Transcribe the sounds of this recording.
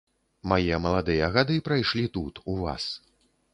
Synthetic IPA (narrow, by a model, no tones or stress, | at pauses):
majɛmɐlˠad̪ɨjɐaɣad̪ɨpɾajʂlʲit̪ut̪uva̰s